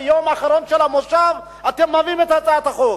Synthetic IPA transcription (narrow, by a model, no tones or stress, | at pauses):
jomaχaɾo̞nʃelamoʃav | at̪emːavimet̪hat͡saat̪aχo